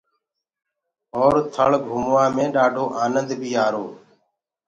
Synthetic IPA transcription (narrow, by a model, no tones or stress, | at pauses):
ɔːɾt̪ʰəɭɡʱumʋãːmẽːɗaːɖʱoːʔaːnənd̪bʱiːaːɾoː